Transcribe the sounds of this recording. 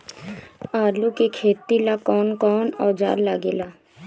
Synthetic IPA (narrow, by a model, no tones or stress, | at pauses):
aːlukekʰeːt̪ilakɔːnkɔːnɔːd͡ʒa̰ːlːaɡelaː